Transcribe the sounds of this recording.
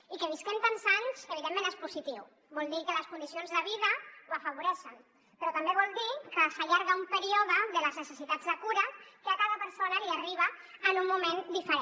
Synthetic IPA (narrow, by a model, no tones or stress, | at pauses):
ikəβ̞iskɛmt̪ansansəβ̞iðemːẽnespuzit̪iw | bɔlˠd̪ikələskund̪isionzðəβiðəwəfəβ̞uɾɛʃən | pɾɔt̪ɐmbeβɔlˠd̪ikəsaʎaɾɣəumpəɾiɔðəðələznəsəsit̪ad͡zðəkuɾəkəakaðəpəɾsonəliariβ̞əː | nummːumend̪ifəɾe